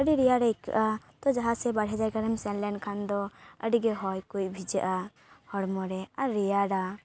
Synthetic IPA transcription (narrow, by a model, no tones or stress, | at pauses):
əɖiɾɛjaɽaika̰ʔat̪ɔd͡ʒaɦãsɛbaɽɦɛd͡ʒajkaɾəmsɛnlɛnkʰand̪ɔəɖiɡɛɦɔjkuj̚bʱid͡ʒaʔa | hɔɽmɔɾɛaɾɛjaɽa